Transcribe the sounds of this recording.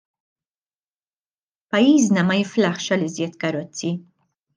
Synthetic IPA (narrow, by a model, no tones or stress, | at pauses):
pɐjːiːznɐmɐjɪflɐħʃɐlɪzjɛt̪kɐɾɔt͡sːi